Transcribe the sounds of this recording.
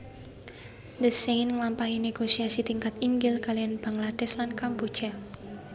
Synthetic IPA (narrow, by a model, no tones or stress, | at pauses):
d̪əsejnŋlampaineɡ̥osiasit̪iŋkat̪iŋɡɪlkalijanb̥aŋlad̪̥ɛslankampu̥t͡ʃa